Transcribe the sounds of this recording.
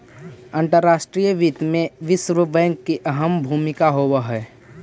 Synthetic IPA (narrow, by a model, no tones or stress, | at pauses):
ə̃nʈ̪əɾːaːʃʈɾiːjəʋiːt̪mẽʋɪsɾubɛ̃ŋkːiʔɐɦəmbʱuːmɪkaɦoːwəɦɛː